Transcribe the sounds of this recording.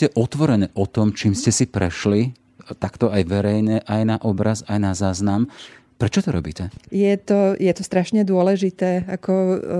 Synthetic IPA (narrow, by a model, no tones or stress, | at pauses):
cɛʔɔt̪ʋɔɾɛnɛːʔɔt̪ɔmt͡ʃiːmscɛsipɾɛ̰ʃli | t̪akt̪ɔajʋɛɾɛjɲɛʔajnaʔɔbɾazajnazaːznam | pɾɛt͡ʃɔt̪ɔɾɔ̰bḭːcɛjɛt̪ɔjɛt̪ɔst̪ɾaʃɲɛd̪ʊɔlɛʒit̪ɛːakʰɔ